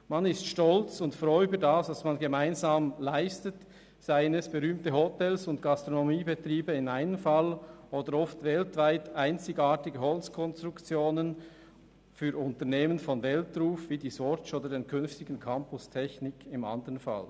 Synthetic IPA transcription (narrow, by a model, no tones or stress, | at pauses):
manɪstʃtɔlt͡sʊntfrɔʏyːbədasd̥asmanɡəmaɪnzaːmlaɪstət | z̥aɪənɛsb̥eʁyːmtəɦotɛlsʊntɡ̥ɑstʁonomiːbətʁiːbəɪnaɪnəmfɑlʔoːdəɾɔftvɛltv̥aɪtaɪnt͡sɪɡaːtɪɡəɦɔlt͡skʰɔnst̪ʁukt͡sjoːnən | fyːɾʊntəneːmənfɔnvɛltruːfv̥iːdiːzɔt͡ʃoːdədeːnkʰʏnftɪɡn̩kʰɑmpʊstʰɛçnɪkɪma̰ndəʁənfa̰l